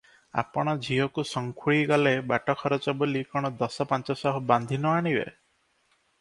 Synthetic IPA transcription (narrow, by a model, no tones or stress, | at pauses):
a̰pɔɽ̃ɔd͡ʒʱiɔkusɔŋkʰuɭiɡɔlebaʈɔkʰɔɾɔt͡ʃɔbolikɔɽ̃ɔd̪ɔsɔpant͡ʃɔsɔɦɔband̪ʱinɔaɽ̃ibḛ